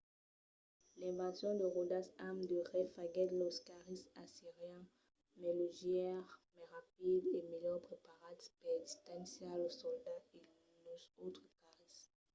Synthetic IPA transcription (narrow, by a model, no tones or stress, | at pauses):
lɛ̃vɑ̃sjɔ̃d̪əʁod̪asamd̪əʁɛfaɡɛd̪lɔskaʁisasiʁjɛ̃ | mɛloʒjɛʁmɛʁap̚id̪emejɔʁpχepaʁad̪pɛd̪ist̪ãŋsjaləsɔld̪ae | losot̪χəkaʁis